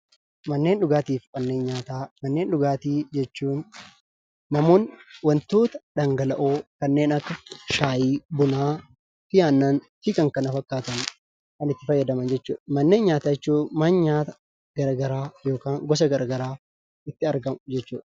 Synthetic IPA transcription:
mɐnːe̞ːnɗʊɡaːt̪iːfkɐnːe̞ːnɲaːt̪aːmɐnːe̞ːnɗʊɡaːt̪iːd͡ʒɛt͡ʃːuːnː | ɐmo̞ːnwɐnt̪o̞ːt̪ɐ̥ᶑɐŋɡɐlɐʔoːkɐnːe̞ːnɐkːɐʃaːjiːbʊnaː | fɪjaːnːanfɪkɐŋkɐnɐfɐkːaːt̪ɐn | kɐnɪt̪ːɪfɐjːɐd̪ɐmɐnd͡ʒɛt͡ʃːṵːᶑɐmɐnːe̞ːnɲaːt̪aːɛt͡ʃːuːmaːnɲaːt̪ɐ̥ | ɡ̥ɐɾɐɡɐɾaːjo̞ːkaːŋɡɔs̬ɐɡɐɾɐɡɐɾaː | ɪt̪ːɪɐɾɡɐmʊd͡ʒɛt͡ʃːuːᶑ

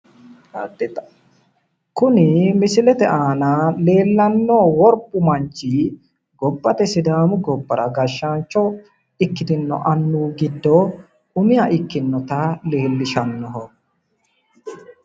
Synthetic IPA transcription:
ɐd̪ɪ | kʊnɪmɪsɪlɛt̪ɛʔaːnale̞ːlːɐnːoːwɔɾpʼːʊmɐɲt͡ʃːi | ɡɔbːɐt̪ɛsɪd̪aːmʊɡɔbːɐɾɐ̰ɡɐʃːaːnt͡ʃːɔ | ɪkːɪd̪ɪnːɔ̰ʔɐnːuːɡɪd̪ːɔ | ʊmɪjɐʔɪkːɪnːɔt̪ɐle̞ːlːɪʃɐnːɔɦɔ

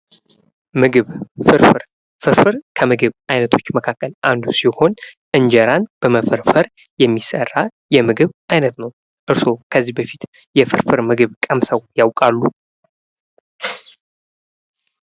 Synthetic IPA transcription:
mɨɡɨβfɨɾfɨɾ | fɨɾfɨɾkʰəmɨɡɨβajnət̪ʰo̞t͡ʃːməkʰakːəlʔand̪usiho̞n | ʔɨɲd͡ʒəɾanb̥əməfəɾfəɾ | jɛmːisə̰rːajɛmɨɡɨβʔajnət̪nəw | ʔɨɾso̞kʰəzːihbəfit̪ | jɛfɨɾfɨɾmɨɡɨβkʼəmsəwjawkʼalːu

